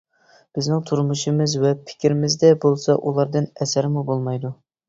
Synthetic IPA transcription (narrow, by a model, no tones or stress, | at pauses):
b̥ɪznɪŋt̪ʰuɾmuʃɨmɨzwɛpʰɪ̥kʲɾɪmɪzd̪ɛbolˠsɑʔulˠɑɾd̪ɨnɛsæɾɪmubolˠmɑjd̪u